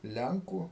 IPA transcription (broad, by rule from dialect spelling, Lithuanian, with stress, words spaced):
ˈlʲɛŋkuː